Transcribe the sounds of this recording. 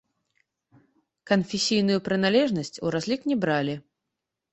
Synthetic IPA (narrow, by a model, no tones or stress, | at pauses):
kɐnfʲɛsʲijnujupɾɨn̪alʲɛʐnɐsʲt͡sʲṵɾazʲlʲiknʲɛbɾalʲi